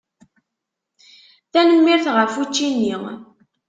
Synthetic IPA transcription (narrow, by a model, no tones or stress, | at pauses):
θænəmːiɾθʁəɾfut͡ʃːinːi